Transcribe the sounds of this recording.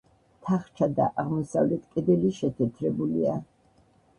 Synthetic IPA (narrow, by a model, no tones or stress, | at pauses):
t̪ʰaχt͡ʃʰad̪a̰ʔaʁmɔsavlɛt̪ʰkʼɛd̪ɛliʃɛt̪ʰɛt̪ʰɾɛbulia